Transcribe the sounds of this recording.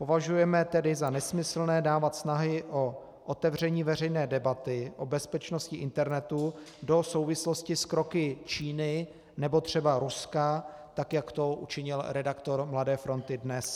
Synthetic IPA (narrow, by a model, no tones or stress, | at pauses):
po̞vaʒujɛmɛt̪ɛdɪzanɛsmɪsl̩nɛːdaːvat̪snaɦɪʔo | ʔot̪ɛvrɛɲiːvɛr̝ɛjnɛːdɛbat̪ɪʔo̞bɛspɛt͡ʃnoscɪʔɪnt̪ɛɾnɛt̪udo̞so̞wvɪslo̞scɪskɾo̞kɪt͡ʃiːnɪ | nɛbo̞t̪r̝̥ɛbaɾuskat̪akjakt̪o̞ʔṵt͡ʃɪɲɪlɾɛdakt̪o̞ɾmladɛːfɾo̞nt̪ɪdnɛs